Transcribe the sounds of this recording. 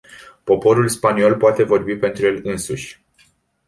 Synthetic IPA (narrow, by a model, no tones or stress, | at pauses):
po̞po̞ɾulspanio̞lpoat̪e̞vo̞rbipe̞nt̪ɾuje̞lɨnsuʃʲ